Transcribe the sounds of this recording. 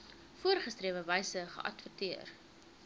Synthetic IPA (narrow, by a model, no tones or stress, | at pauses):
fuərχəstriːəvəvɛjsəχə̰ʔɐ̰tfətiər